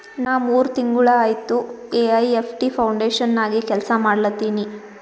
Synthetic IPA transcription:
naːʋuːɾut̪iŋɡuɭɐaːjt̪ueɐjepʰʈipʰɐwɳɖeːʂɐnːaːɡikɛlsɐmaːɽɐlɐt̪ːiːni

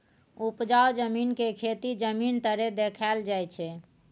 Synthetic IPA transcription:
upd͡ʒaod͡ʒəminkekʰet̪id͡ʒəmint̪əɾed̪ekʰald͡ʒajt͡ʃʰɛ

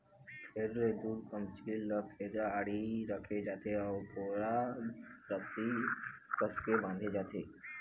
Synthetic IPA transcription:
ʃeɾːed̪uːɾkəmt͡ʃiləpʰeɾaaɽiɾəkʰed͡ʒaːt̪eɔt̪ʰoːɽa | ɾəsikəskebãːnd̪ʱed͡ʒaːt̪eː

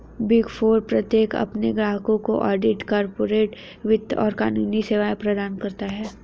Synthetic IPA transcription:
bɪɡfoːɾpɾɐt̪jeːkɐ̰pneɡɾaːɦəkõko̰ʔɔːɖɪʈkaːɾpoːɾeːʈ | ʋɪd̪ɔ̰ːɾkaːnuːniseːʋaːjpɾɐd̪aːnkɐɾt̪aɦɛː

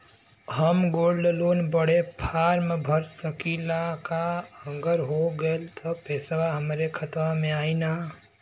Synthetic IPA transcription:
ɦəmɡoːɽɖloːnbəɽ̤epʰaːɾmebʱəɾsəkilakaəŋɡəɾɦoɡəlt̪ʰɔpɛːsʋaɦəmɾekʰət̪ʋamẽaːina

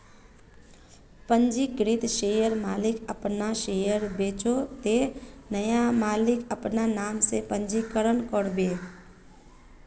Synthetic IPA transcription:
pə̃ɲd͡ʒiɡɾɪt̪ʃeːjəɾmaːlɪkəpnaʃeːjəɾbeːt͡ʃot̪enəjamaːlɪkəpnanaːmsepə̃ɲd͡ʒikəɾənkəɾbeː

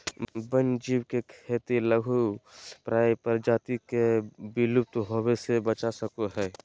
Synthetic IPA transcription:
bənd͡ʒiːbkekʰeːt̪iləɡʱupɾaːjpəɾd͡ʒaːt̪ikebilʊp̚t̪ɦoːwesebət͡ʃasəkoɦɛː

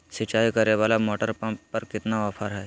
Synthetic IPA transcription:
sɪt͡ʃaːikɐɾeʋaːlamɔːʈəɾpãmppɐɾkɪt̪naʋaːpʰəɾɦɛː

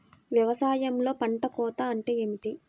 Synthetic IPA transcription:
ʋjɐʋɐsaːjɐmlo̞ːpɐɳʈɐkɔːt̪aːɳʈeːeːmiʈi

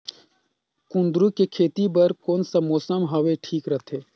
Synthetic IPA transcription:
kʊ̃nd̪ɾukekʰeːt̪ibɐɾkoːnsɐmoːsəmɦɐʋeʈʰiːkɾɐt̪ʰeː

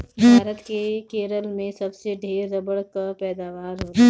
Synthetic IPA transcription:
bʱaːɾət̪kekeːɾəlmẽsɐbseɖʱeːɾːɐbəɽkapɛːd̪aːʋaːɾɦot̪a

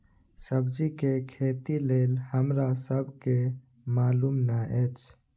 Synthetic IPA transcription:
səbd͡ʒikekʰet̪ilelhəmɾasəbʱke | malumnaʔɛt͡ʃʰ

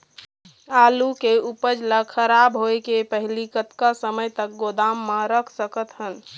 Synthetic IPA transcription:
alukeupəd͡ʒləxʰəɾabɦoekepəɦlikət̪kasəməjt̪ək̚ɡod̪amːãɾəkʰsəkət̪ɦən

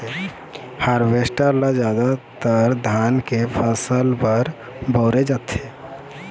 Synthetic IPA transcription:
haɾʋesʈəɾlad͡ʒjaːd̪at̪əɾd̪ʱaːnkepʰəsəlpəɾ | bɔʊɾed͡ʒat̪e

